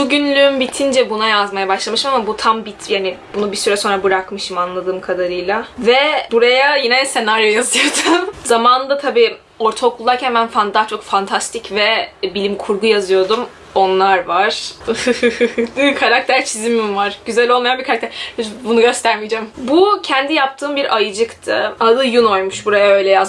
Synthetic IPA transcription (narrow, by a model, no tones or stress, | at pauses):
ʃuɟynlʲyymbit̪ʰind͡ʒɛbunajazmajabaʃlˠamɯʃɯmamabut̪ʰambit̪jaːnibunubisyɾɛso̞nɾabɯɾakmɯʃɯmanlˠad̪ɯːmkʰad̪aɾɯjlˠavɛbuɾajajinɛse̞naɾjojazɯjd̪umzamaːnɯd̪at̪ʰabiː | o̞ɾt̪ʰaokʰulˠːaɾcʰænbænfand̪aːt͡ʃʰo̞kfant̪ʰast̪ʰicvɛbilʲimkʰuɾɡujazɯjo̞d̪um | o̞nlˠaɾvaɾ̥ɯhɯhɯhɯhkʰaɾak̚t̪ʰæɾt͡ʃʰizimimvaɾ̥ɟyzælʲo̞lˠmajanbiɾkʰaɾak̚t̪æɾhʰybunuɟø̞st̪ʰæɾmid͡ʒɛmbucʰɛnd̪ijap̚t̪ʰɯːmbiɾʔajɯd͡ʒɯkt̪ʰɯ̰alˠɯjuno̞jmuʃbuɾajaø̞jlʲɛjaz